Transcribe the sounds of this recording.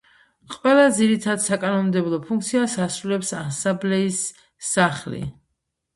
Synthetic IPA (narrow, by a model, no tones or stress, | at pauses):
qʼwɛlˠad̪ziɾit̪ʰad̪sakʼanɔmmd̪ɛblˠɔpʰuŋk̚t̪sʰiasasɾulɛpsasãmblɛisː | aχlḭ